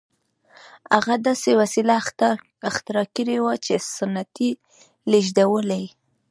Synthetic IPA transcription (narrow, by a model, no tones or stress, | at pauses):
a̰ɣad̪ɑsewasila | ɪxt̪ɪɾɑkiɾewat͡ʃesanat̪i | liʒd̪awəlaj